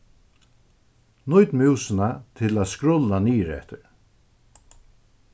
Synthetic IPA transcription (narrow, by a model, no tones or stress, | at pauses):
nʊjt̪mɪwsɪnat̪ʰɪlaðskɾʊlːaniːɾɛ̰ht̪ɪɾ